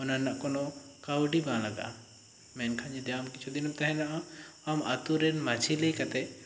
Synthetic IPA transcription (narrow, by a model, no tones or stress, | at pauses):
ɔnanaʔkɔnɔ | kawɖibãlaɡa̰ | mɛnkʰãd͡ʒid̪ɛamkit͡ʃʰud̪inɔmt̪aɦɛnaʔaama̰t̪uɾɛnmad͡ʒʱilejkat̪ɛ